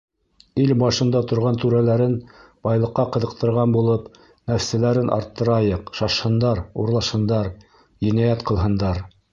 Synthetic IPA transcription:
ilbɑʃɤ̆nd̪ɑt̪ŏɾʁɑnt̪ʉɾælæɾɘnbɑjlˠɤ̆qːɑqɤ̆ðɤ̆q̚t̪ɤ̆ɾʁɑnbulˠɤp | næfsælæɾɘnʔɑ̰ɾt̪ːɤ̆ɾɑjɤqʃɑʃhɤ̆nd̪ɑɾṵɾlˠɑʃhɤ̆nd̪ɑɾ | jɘ̆næjæt̪qɤ̆lˠɦɤ̆nd̪ɑɾ

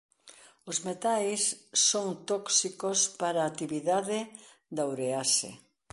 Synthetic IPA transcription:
ozmet̪ajsːoŋt̪oksikospaɾaːt̪iβiðaðɪ | d̪awɾeasḛ

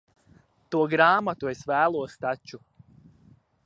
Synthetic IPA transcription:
t̪uɔɡɾaːmat̪uesvæːlˠuɔst̪at͡ʃu

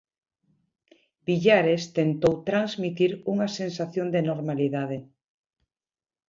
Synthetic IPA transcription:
b̥iʎaɾest̪ent̪owt̪ɾanzmit̪iɾuŋasensaθjond̪enoɾmaliðað̞e

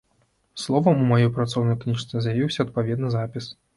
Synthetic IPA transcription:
slˠɔvɐmumajɔjpɾat̪sɔwnɐjknʲiʂt̪sɛzʲjavʲiwsʲɐɐt̪̚pavʲɛd̪nɨzapʲis

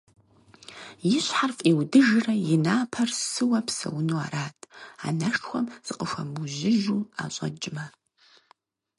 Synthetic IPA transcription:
jɪɕħarfʼiwdɨʒrɐjɪnaːpʰɐrsɨwɐpʰsɐ̰wnua̰ɾaːtʰʼa̰nɐʂʈ͡ʂʰxʷɐmz̥ɨqʼəʂʷɐmuʒɪʒua̰ɕʷʼɐd͡ʒʼɪmɐ

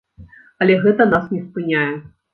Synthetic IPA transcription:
ɐlʲɛɣɛt̪ɐnasnʲɛspɨnʲajɛ

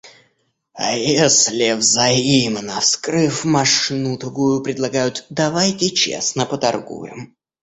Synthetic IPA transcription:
a̰jesʲlʲɪvzɐimnəfskɾɨfmɐʂnut̪ɐɡujʊpɾʲɪd̪lˠɐɡajʊt̪d̪ɐvajtʲɪt͡ɕḛsnəpət̪ɐrɡṵjɪ̰m

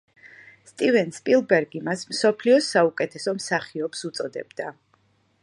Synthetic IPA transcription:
st̪ʼivɛnspʼilˠbɛɾɡimasmsɔpʰliɔsaukʼɛt̪ʰɛsɔmsaχiɔpsut̪sʼɔd̪ɛ̰bd̪a

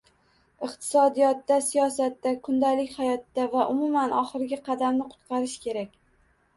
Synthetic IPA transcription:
ɨqt̪ʰɪ̥sɒd̪ijɒt̪ːasijɒsat̪ːakʰʊnd̪alɪkʲhajɒt̪ːavaʔʊmʊmanɒχɨɾɪɡʲaqʰɑd̪amnɪqʰʊ̥t̪qʰɑɾɪʃkʲʰe̞ɾakʲ

